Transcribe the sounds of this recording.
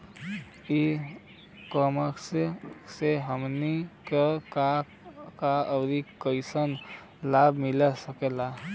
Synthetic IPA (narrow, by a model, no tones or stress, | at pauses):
i | kəməkseseɦəmnikeka | kaəwɾikəjsən | labmilesəkela